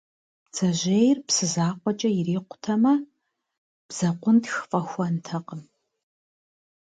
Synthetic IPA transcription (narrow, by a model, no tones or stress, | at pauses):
t͡sʰɐʑejrpsɨzaːqʷɔt͡ʃʼɐjɪriːqʷʊ̥tʰɐmɐ | b̥z̥ɐqʷʊntxfʼɐxʷɐntʰɐqəm